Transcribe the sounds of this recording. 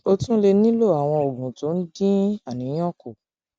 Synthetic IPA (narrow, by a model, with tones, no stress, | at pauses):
o˧tũ˦le˧nĩ˦lo˦˨a˨w̃ɔ̃˧o˨ɡũ˨to˨˦n̩˦dĩ˦a˨nĩ˨˦j̃ɔ̃˦˨ko˨